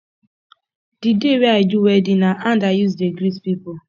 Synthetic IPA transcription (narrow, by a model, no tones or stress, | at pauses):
d̥ideweaɪduwɛdinaʔandajuzdeɡɾispipo